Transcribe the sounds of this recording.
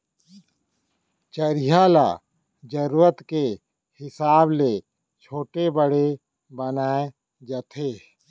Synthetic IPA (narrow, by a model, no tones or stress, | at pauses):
t͡ʃəɾɪjala̰ | d͡ʒəɾuːɾət̪ke | hɪsaːble | t͡ʃʰoːʈebəɽe | bənaːe | d͡ʒət̪ʰeː